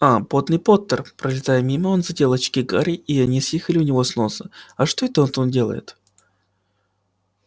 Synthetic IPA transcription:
apo̞t̪nɨjpo̞t̪ːərpɾəlʲɪt̪ajəmʲiməo̞nzɐtʲe̞lˠɐt͡ɕkʲikaɾʲɪiɐnʲisjexəlʲɪʊnʲɪvo̞sno̞səɐʂt̪o̞ɛt̪əot̪ondʲe̞lˠə̰jɪ̰t̪

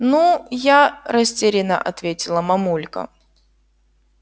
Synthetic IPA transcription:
nujaɾɐsʲtʲeɾʲɪnə̰ʔɐt̪vʲetʲɪlˠəmɐmulʲkə̰

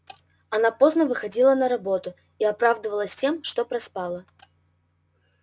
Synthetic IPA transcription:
ɐnapoznəvɨxad͡zʲilˠənɐɾabot̪ʊ | iapɾavd̪ɨvəlˠəsʲtʲemʂt̪ɔpɾɐspalˠə

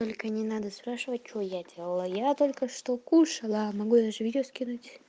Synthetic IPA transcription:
t̪olʲkənʲɪnad̪əspɾaʂɨvət̚ʲt͡ʃojadʲelˠəlˠəjat̪olʲkəʂt̪okuʂɐlˠəːmɐɡujd̪aʐɨvʲidʲɪoskʲinutʲ

